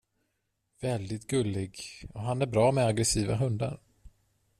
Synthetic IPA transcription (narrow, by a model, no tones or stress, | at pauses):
vɛld̪ɪt̪ɡɵlːɪɡɔɦanæɾbɾɑːmɛaɡɾɛsiːva̰ɦɵnd̪a̰ɾ